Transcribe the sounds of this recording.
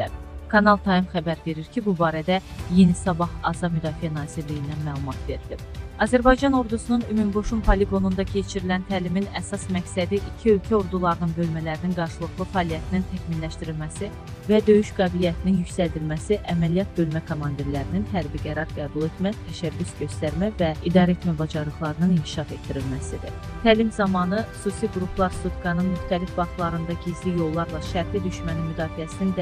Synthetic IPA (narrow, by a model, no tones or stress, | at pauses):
æ | kʰɑnɑlˠt̪ʰɑimχæbæɾve̞ɾiɾcʰibubɑːɾæd̪æje̞nisɑbɑχɑzɑmyd̪ɑːfijænɑːziɾlijind̪ænmæːlˠumɑt̪ve̞ɾd̪̥i | ɑzæɾbɑjd͡ʒɑno̞ɾd̪usununymymbo̞ʃunpʰɑliɡo̞nund̪ɑcʰe̞t͡ʃʰiɾilænt̪ʰæːliminæsɑsmæcsæd̪iʔicʰiø̞lcʰæo̞ɾd̪ulˠɑɾɯnɯnbø̞lmælæɾininɡɑɾʃɯlˠɯɣlˠɯfæɑːlijæt̪ʰinint̪ʰæçminlæʃt̪iɾilmæsi | væd̪ø̞jyʃɡɑːbilijæt̪ʰininjycsæld̪ilmæsiʔæmælijɑt̪̚bø̞lmækʰomɑnd̪iɾlæɾininɦæɾbiɡæɾɑɾɡæːbulˠe̞t̪ʰmæt̪ʰæʃæbːysɟø̞st̪æɾmævæid̪ɑːɾet̪ʰmæbɑd͡ʒɑɾlˠɯχlˠɑɾɯnɯnincʰi̥ʃɑfe̞d̪d̪ːiɾilmæsid̪ḭ | t̪ʰæːlimzɑmɑnɯxu̥susiɡɾupʰlˠɑɾsut̪ɡɑnɯnmyxt̪ælifbɑχt̪lˠɑɾɯnd̪ɑɟizlijo̞lˠːɑɾlˠɑʃæɾpid̪yʃmæninmyd̪ɑːfijæsinind̪